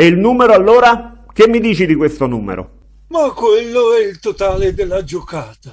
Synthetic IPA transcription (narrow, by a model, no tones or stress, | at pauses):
eilnuːmeɾoalːoːɾak̟emːid̪iːt͡ʃid̪ikwest̪onuːmḛɾo̰ | makːwelːoɛilt̪ot̪aːled̪elːad͡ʒokaːt̪a